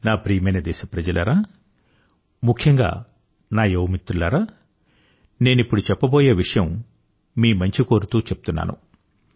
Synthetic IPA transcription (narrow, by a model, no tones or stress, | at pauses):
naːpɾiːmɐjnɐd̪ɛːʃɐpɾɐd͡ʒɐlɐɾaː | mukʰjɐŋɡa̰ː | naːjowmit̪ːɾulːaːɾaː | ne̞ːnipːuɽut͡ʃɛpːɐboːjeːʋiʂɐjɐm | miːmɐɲt͡ʃiko̞ːɾut̪uːt͡ʃep̚ut̪unːa̰ːnṵ